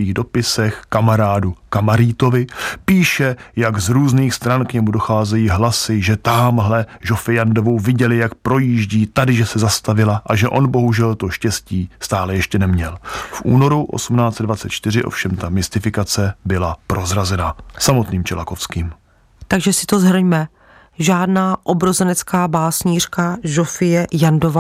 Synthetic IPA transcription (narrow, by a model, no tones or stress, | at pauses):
iːɣdo̞pɪsɛxkamaɾaːdukamaɾiːt̪o̞vɪpiːʃɛjaɡzɾuːzniːxst̪ɾankɲɛmudo̞xaːzɛjiːɦlasɪʒɛt̪amɦlɛʒo̞fɪjando̞vo̞wvɪɟɛlɪjakpɾojiːʒɟiːt̪adɪʒɛsɛzast̪avɪlaʔaʒɛʔo̞̰nbo̞ɦuʒɛlt̪o̞ʃcɛsciːst̪aːlɛjɛʃcɛnɛmɲɛlfʔṵːno̞ɾuʔo̞̰sumnaːt͡sɛdvat͡sɛt̪̚t͡ʃt̪ɪr̝ɪʔo̞̰fʃɛmt̪amɪst̪ɪfɪkat͡sɛbɪlapɾo̞zɾazɛnasamo̞t̪niːmt͡ʃɛlako̞fskiːm | t̪aɡʒɛsɪ̥t̪o̞zɦr̩ɲmɛ | ʒaːdnaːʔobɾozɛnɛt͡skaːbaːsɲiːr̥kaʒofɪjɛjando̞va